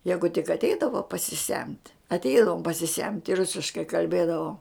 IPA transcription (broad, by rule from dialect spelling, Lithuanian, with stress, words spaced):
ˈjæːɡʊ tʲɪk ɐtʲˈɛɪdɐʋoː pɐsʲɪˈsʲɛmʲtʲ ɐtʲˈɛɪdɐʋoːm pɐsʲɪˈsʲɛmʲtʲ ɪ ˈrʊsʲɪʃkɐɪ kɐlʲˈbʲeːdɐʋoːm